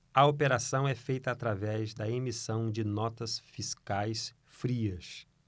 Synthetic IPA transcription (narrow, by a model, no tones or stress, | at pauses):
ɐopeɾasɐ̃w̃ɛfejt̪ɐːt̪ɾavɛzd̪ɐemisɐ̃w̃d͡ʒɪnɔt̪ɐsfiskajs | fɾiɐs